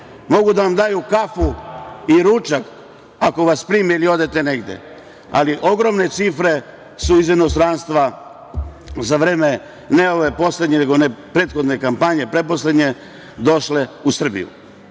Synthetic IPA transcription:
mo̞ɡud̪aʋamd̪aːjukafuiɾut͡ʃak | ako̞ʋaspɾiːmiilio̞d̪e̞t̪e̞ne̞ɡd̪jḛ | a̰liʔo̞ɡɾo̞mne̞t̪sifɾe̞ | suizino̞st̪ɾanst̪ʋa | zaʋɾeːme̞ | ne̞o̞ʋe̞po̞sle̞d̪ɲe̞neɡo̞nepɾe̞ːt̪xo̞d̪ne̞kampaɲe̞pɾe̞po̞sle̞d̪ɲe̞ | d̪o̞ʃle̞usr̩bḭjṵ

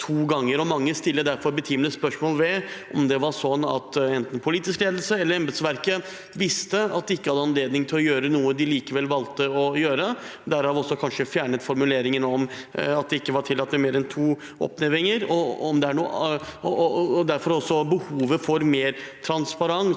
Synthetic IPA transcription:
t̪ʰuːɡɑŋːəɾɔmɑŋːəst̪ɪlːəd̪æɾfɔɾbət̪ʰiːmnəspœʂmoːlʋɛʔɔmd̪ɛʋɑɾʂɔnːɑ̰t̪ɛnt̪n̩pʰʊliːt̪ɪskleːd̪lsəɛlːəɾɛmbeːd̪sʋæɾkə | ʋɪst̪əɑt̪̚d̪ɛɪkːəhɑd̪əɑnleːd̪nɪŋt̪ʰɪlɔjøːɾənuːəd̪ɪliːkəʋɛlːʋɑlt̪əɔjøːɾəd̪æɾɑːʋɔsːɔkʰɑnʂəfjæːɳət̪fɔɾmʉleːɾɪŋənɔmɑt̪̚d̪ɛɪkːəʋɑʈ̪ʰɪlːɑt̪ːɛmeːɾɛnt̪ʰuː | ɔ̰pneʋɪŋəɾɔɔmd̪ɛæɳuːə̰ | d̪æɾfɔɾɔsːɔbəhuːʋəfɔɾmeːɾt̪ʰɾɑnspɑɾɑŋ

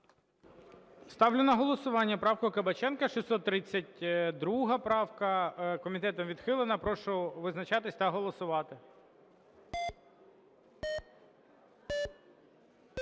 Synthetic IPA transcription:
st̪ɑwlʲʊnɐɦɔlˠɔsʊʋɑnʲːɐpɾɑwkʊkɐbɐt͡ʃɛnkɐʃisɔt̪ːɾɪt͡sʲːɐtʲd̪ɾuɦɐpɾɑwkɐkɔmʲit̪ɛt̪ɔmʋʲid̪xɪlˠɪnɐpɾɔʃɔʋɪznɐt͡ʃɑt̪ɪsʲt̪ɐɦɔlˠɔsʊʋɑt̪ɪ

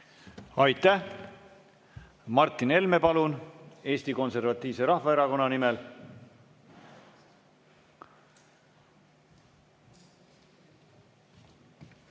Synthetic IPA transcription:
ɑjt̪ːˑæh | mɑrt̪ːˑine̞lme̞pɑlune̞ːst̪iko̞nse̞ɾvɑt̪ˑːiːvse̞ɾɑhvɑe̞ɾɑko̞nːɑnimɛl

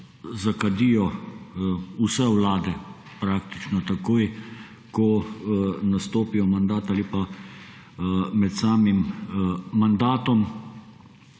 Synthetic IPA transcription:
zakad̪ijɔ | usɛwlaːd̪ɛ | pɾaːkt̪i̥t͡ʃnɔt̪akoːj | kɔ | nast̪oːpijɔmand̪aːt̪aːlipa | mɛt̪saːmimː | and̪aːt̪ɔm

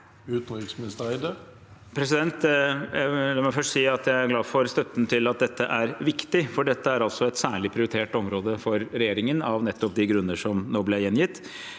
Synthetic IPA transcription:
ʉːt̪nʋɪɾksmɪnɪst̪əæɪd̪ə | pʰɾɛsɪd̪ɛnt̪ | lɑːmæfœʂʈsiːɑt̪jæɪæɾɡlɑːfɔɾst̪œt̪ːnt̪ʰɪlɑt̪̚d̪ɛt̪ːəʔæɾʋɪkt̪ɪfɔɖɛt̪ːəæɾɑlt̪sɔɛt̪sæːɭɪpʰɾɪʊɾɪt̪ʰeːʈɔmɾoːd̪əfɔɾɾɛjeːɾɪŋənɑʋnɛt̪ːɔp̚d̪ɪɡɾʉnːəʂɔmnoːblɛjɛnjɪt̪ː

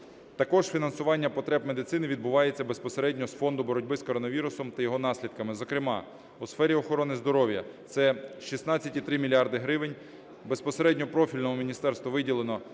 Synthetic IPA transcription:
t̪ɐkɔʒ̥fʲinɐnsʊʋɑnʲːɐpɔt̪ɾɛbmed̪ɪt̪sɪnɪʋʲid̪̚bʊʋɑjet͡sʲːɐbe̞spɔseɾɛdʲnʲɔɦɔsfɔnd̪ʊbɔɾɔdʲbɪskɔɾɔnɐʋʲiɾʊsɔmt̪ɐjɔɦɔn̪ɑsʲlʲid̪̚kɐmɪzɔkɾɪmɑ | usfɛɾʲiɔxɔɾɔnɪzd̪ɔɾɔʋʲjɐt̪sɛʃisnɑt͡sʲːɐtʲit̪ɾɪmʲilʲiɑrd̪ɪɦɾɪʋɪnʲ | be̞spɔseɾɛdʲnʲɔpɾɔfʲilʲnɔɦɔmʲinʲist̪ɛrst̪ʋɔʋɪdʲilˠenɔ

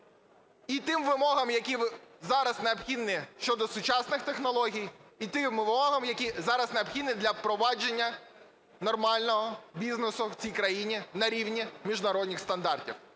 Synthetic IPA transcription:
it̪ɪmʋɪmɔɦɐmjɐkʲiʋzɑɾɐzneɔbxʲid̪nɪʃt͡ʃɔd̪ɔsʊt͡ʃɑsnɪxt̪exnɔlˠɔɦʲijit̪ɪmʋɪmɔɦɐmjɐkʲizɑɾɐzneɔbxʲid̪nɪd̪lʲɐpɾɔʋɑd͡ʒenʲːɐ | nɔrmɑlʲnɔɦɔbʲiznesʊwt͡sʲijkɾɐjinʲinɐɾʲiwnʲimʲiʒnɐɾɔdʲnʲɪxst̪ɐnd̪ɑrtʲḭw

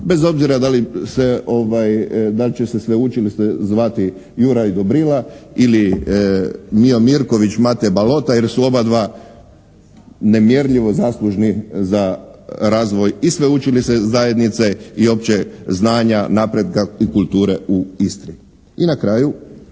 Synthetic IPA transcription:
be̞zo̞bziɾad̪alise̞o̞ʋajd̪alt͡ʃesesʋeut͡ʃilist̪ezʋat̪i | juɾaid̪obɾilaili | mio̞miɾko̞ʋit͡ɕmat̪ebalo̞t̪ajeɾsuo̞bad̪ʋaː | ne̞mje̞ɾʎiʋo̞zaslˠuʒnizaɾaːzʋo̞jisʋeut͡ʃilisezaje̞d̪nit̪seio̞pt͡ɕeznaːɲanapɾed̪kaikulˠt̪uːɾeuist̪ɾi | inakɾaːju

